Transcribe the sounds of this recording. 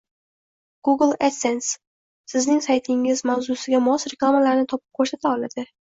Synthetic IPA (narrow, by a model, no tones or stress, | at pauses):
ɡ̥uɡlˠet̪sens | sɪznɪŋsajt̪ʰɪŋɪzmawzʊsɪɡʲamɒsɾe̞klˠamalaɾnɪt̪ʰɒp̚ɪ̥p̚kʰoɾsat̪ʰaɒlad̪̥ɪ